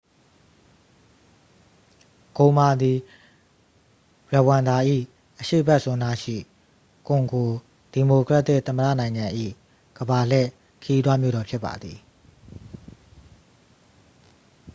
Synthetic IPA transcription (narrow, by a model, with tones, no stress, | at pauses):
ɡ̥õ˨ma˨d̪i˨ | ɹɛ˨wã˨nd̪a˨ʔḭ˦˨ | ʔəʃḛ˦˨bɛ˦ʔsʊ̃˦nda˦ʃḭ˦˨ | kʊ̃˨ŋɡo˨ | d̥i˨mo˨kɹɛ˦ʔt̪ːɪ˦˨ʔt̪ːə˨mədä̰˦˨nã˨ɪ̃ŋã˨ʔḭ˦˨ | ɡ̥əba˨l̥ɛ̰˦˨ | kʰə˦ji˦t̪wa˦mjo̰˦˨ɾɔ˨pʰjɪ˦pːa̰˨d̪ði˨